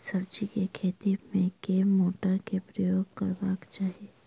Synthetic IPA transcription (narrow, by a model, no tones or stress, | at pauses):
sɐbd͡ʒikekʰeːt̪imẽkeːmoːʈəɾkepɾəjoːɡkəɾbaːkt͡ʃaːɦieː